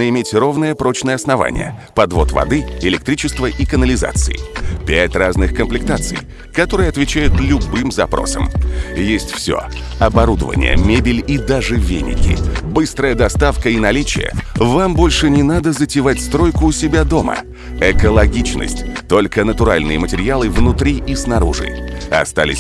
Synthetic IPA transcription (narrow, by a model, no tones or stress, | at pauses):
əɪmʲetʲro̞vnɨjəpɾo̞t͡ɕnəjəɐsnɐva̰nʲɪ̰jə̰pɐd̪vo̞̰t̪vɐ̰d̪ɨɪlʲɪk̚t̪ɾʲit͡ɕɪst̪vəʔikənəlʲɪza̰t̪sɨjɪpʲætʲraznɨxkəmplʲɪk̚t̪at̪sɨ̰j | kɐt̪o̞ɾɨjəɐt̪vʲɪt͡ɕæjʊt̪lʲʊbɨmzɐpɾʔo̞̰sə̰mjesʲtʲfsʲo̰ | ɐbɐɾud̪əvə̰nʲɪ̰jə̰mʲebʲɪlʲid̪aʐɨvʲḛnʲɪ̰kʲɪ̰bɨst̪ɾəjəd̪ɐst̪afkəinɐlʲit͡ɕɪ̰jə̰vambo̞lʲʂɨnʲɪnad̪əzətʲɪvatʲst̪ɾo̞jkʊːsʲɪbʲad̪o̞mə̰ | ɛkəlˠɐɡʲit͡ɕnə̰sʲtʲt̪o̞lʲkənət̪ʊɾalʲnɨjəmətʲɪɾʲɪalˠɨvnʊt̪ɾʲiʔisnɐɾuʐɨ̰ɐ̰st̪a̰lʲɪ̰sʲ